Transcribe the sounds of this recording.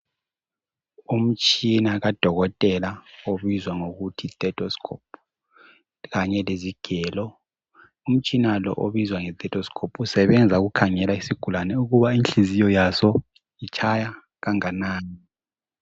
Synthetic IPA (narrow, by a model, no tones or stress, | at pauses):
um̩t͡ʃʼinaɣad̥ʱɔɣɔtʼɛlaoβizwaŋoɣutʰitʼɛtʰʼɔskʰɔpʰ | ɣaɲɛleziɡ̥ʱɛːlɔ | um̩t͡ʃʼinalɔ̰ʔoβizwaŋɛt̪ʼɛtʼʰɔskʰɔpʰusɛβɛnd͡zʱaɣukʰaŋɛlaisiɡ̥ʱulanɛuɣuβainɬizijɔjasɔ | it͡ʃʰaja | ɣaŋanaːni